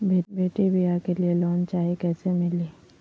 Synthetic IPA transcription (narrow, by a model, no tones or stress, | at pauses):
bebeːʈibʱijakelielɔːnt͡ʃaːɦikɛːsemɪliː